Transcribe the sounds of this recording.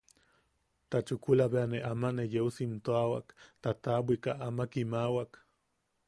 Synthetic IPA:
t̪at͡ʃukulaβeaneʔamanejeusint̪oawakt̪at̪abʷikaʔamakimawak

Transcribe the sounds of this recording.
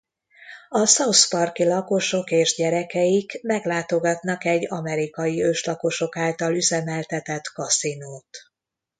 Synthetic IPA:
ɒsɒwspɒrkilɒko̞ʃo̞keːʒɟɛɾɛkɛjikmɛɡlaːt̪o̞ɡɒt̪nɒkɛɟːɒmɛɾikɒjiøːʃlɒko̞ʃo̞kaːlt̪ɒlyzɛmɛlt̪ɛt̪ɛt̪kɒsinoːt̪

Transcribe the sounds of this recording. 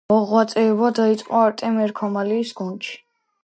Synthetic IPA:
ɔʁwat̪sʼɛːbad̪ait̪sʼqʼɔaɾt̪ʼɛmɛɾkʰɔmaliːsɡ̥unʃi̥

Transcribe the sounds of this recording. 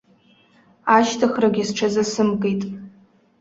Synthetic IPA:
aʃtʰaχraɡʲasʈ͡ʂʰazasɨmkʼejtʼ

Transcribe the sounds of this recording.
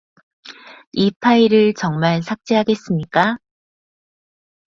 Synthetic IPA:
ipʰaiɾɯɭt͡ɕʌŋmaɭsʰak̚t͡ɕ͈eɦaɡe̞s͈ɯmɲik͈a

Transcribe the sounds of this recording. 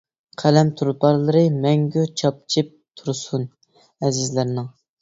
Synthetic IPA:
qʰælɛmt̪ʰuɾpɑɾlˠɨɾɨmɛŋɡʲut͡ʃʰɑp̚t͡ʃʰɨp̚t̪ʰuɾsun | ɛzɪzlæɾnɪŋ

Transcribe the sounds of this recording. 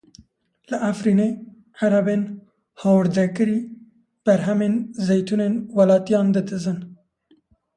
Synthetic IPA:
lɨʔafɾiːne | ʕaɾabeːn | hɑːwɨɾd̪ɛkɨɾiː | b̥ɛɾɦɛmenzejt̪ʰuneːnwɑlɑːt̪ijɑːnd̪ɨd̪ɨzɨn

